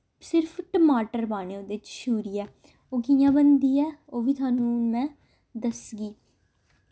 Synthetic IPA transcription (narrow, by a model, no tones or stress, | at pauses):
sɪɾpʰʈəmaːʈəɾbaːneːõːd̪ɪt͡ʃʃuːɾiːɛː | oːɡijãːbənd̪iːɛːoːʋiːt̪ʰʊaːnːũːmɛ̃ː | d̪əsɡiː